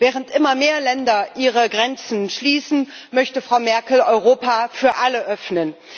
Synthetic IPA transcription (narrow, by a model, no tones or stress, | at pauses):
vɛːʁ̞əntʔɪmɐmeːɐlɛndɐʔiːʁəɡʁɛnt͡sn̩ʃliːsn̩ | mœçtəfʁ̥aʊmɛɐkl̩ɔʏʁoːpafyːɐʔaləʔœfnən